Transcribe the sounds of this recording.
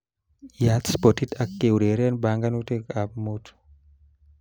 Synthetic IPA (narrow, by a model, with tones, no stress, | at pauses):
jat̪spɔ˨ti˦tʰa˨kːe˨wɾe˨ɾɛ˦nba˨ŋɡa˦nu˦te˦ka˨pmot